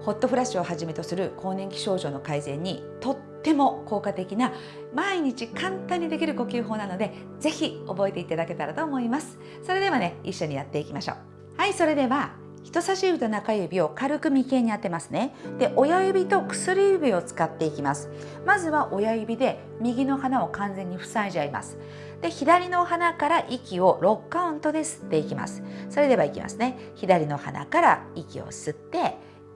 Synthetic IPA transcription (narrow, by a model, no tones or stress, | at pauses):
ho̞t̪ːo̞ɸɯɾaɕio̞haʑime̞t̪o̞sɨɾɯ̟kʰo̞ːnẽ̞ŋkʲi̥ɕo̞ːʑoːno̞kaizẽ̞ɲ̟ːi | t̪o̞t̪ːe̞mo̞ko̞ːkat̪e̞kʲina | maiɲ̟it͡ɕikãnt̪ãɲ̟ːid̪e̞kʲiɾɯ̟ko̞kʲɨːɦo̞ːnano̞d̪e̞ | ze̞çio̞bo̞e̞t̪e̞it̪ad̪ake̞t̪aɾat̪o̞ːmo̞imasɨ̥ | so̞ɾe̞d̪e̞βane̞iɕːo̞ɲ̟ijat̪ːe̞ikʲimaɕo̰ː | haiso̞ɾe̞d̪e̞βa | çi̥t̪o̞saɕibɯt̪onakajɯbʲio̞kaɾɯ̟kɯ̟mʲike̞ɲ̟inat̪ːemasɨne̞d̪̥e̞ʔo̞jajɯ̟bʲit̪o̞kɯ̟̥sɨɾʲiɯbʲio̞t͡sɨ̥kat̪ːe̞ikʲimasɨ̥ | mazɨβaʔo̞jajɯ̟bʲid̪e̞ | mʲiɡʲino̞hanao̞kãnd͡zẽ̞ɲ̟ːiɸɯ̟̥saiʑiaɾima̰sɨ̥ | d̪̥e̞çid̪aɾʲino̞hanakaɾaʔikʲio̞ɾo̞kːaɯ̟̃nt̪o̞d̪e̞sɨ̥t̪ːe̞ikʲima̰sɨ̥so̞ɾe̞d̪e̞βaikʲḭma̰sɨne̞çid̪aɾʲino̞ha̰na̰kaɾa̰ikʲḭo̞̰sɨt̪ːe̞